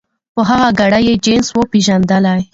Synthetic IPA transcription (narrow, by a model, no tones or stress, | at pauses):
pəɦaɣaɡaɽajed͡ʒenswəpeʒand̪əlaj